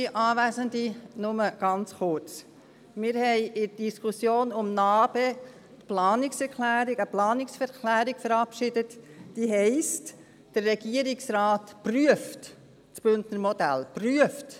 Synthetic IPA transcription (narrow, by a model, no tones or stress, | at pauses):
iʔɑːvæzəndinʊməɡ̥ɑnt͡sχʊɾt͡s | mɪɾhɛɪʔɪd̥iskʰusjoːnʊmnɑːb̥e | tplɑːnɪksɛɾkʰlæːɾɪɡəplɑːnɪksfɛɾkʰlæːɾɪɡ̥fəɾɑpʃɪdətd̥iɦɛɪst | d̥ərːɛɡ̥iəɾɪksrɑːtpryəft | t͡sb̥ʏntnəɾmɔdæ̰lpryəft